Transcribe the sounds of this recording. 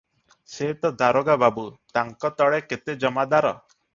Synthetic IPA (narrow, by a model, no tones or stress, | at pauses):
set̪ɔd̪aɾoɡababut̪aŋkɔt̪ɔɭeket̪ed͡ʒɔmad̪aɾɔ̰